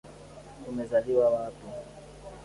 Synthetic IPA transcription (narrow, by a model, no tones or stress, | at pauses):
umɛzaliwawatu